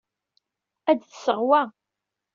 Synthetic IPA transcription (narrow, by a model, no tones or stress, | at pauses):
æd̪θsəʁwa